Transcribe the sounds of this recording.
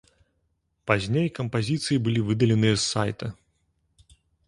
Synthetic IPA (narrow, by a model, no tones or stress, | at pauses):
pazʲnʲejkɐmpazʲit̪sɨjibɨlʲivɨd̪ɐlʲɛnɨjɛsːa̰jt̪ɐ